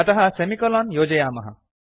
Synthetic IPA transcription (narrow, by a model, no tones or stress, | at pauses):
ɐt̪ɐɦɐsemikɔlɔnjoːd͡ʑɐjaːmɐɦɐ̰